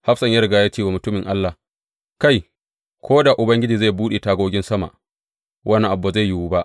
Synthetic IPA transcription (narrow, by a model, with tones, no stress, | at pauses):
ha˦ɸsɐ˨ɲjɐ˦ɾɡaː˦ja˦t͡ʃeː˦wa˨mʊ˨tʊ˦mɪ˨ŋʔa˦lːa˨ | ka˦˨j | kʰʷoː˦da˨ʔʊ˨bɐ˦ŋɡʲɪ˦d͡ʒiː˨za˦˨jbuː˦ɗe˨taː˦ɡʷoː˦ɡʲɪ˦nsɐ˦ma̰˨ʔ | wʔɐ˦n˦ʔa˨bːa˨za˦˨jji˦wu˦ba˦ʔ